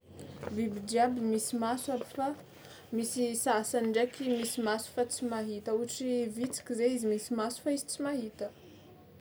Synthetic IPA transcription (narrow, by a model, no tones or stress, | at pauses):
bibid͡ʒiabimisimaswaɾifa | misisasanɳɖ͡ʐekʲimisimasu̥fat͡simaɦit̪əuaʈ͡ʂivit͡si̥kʲizeizimisimasu̥faizi̥t͡simaɦit̪ə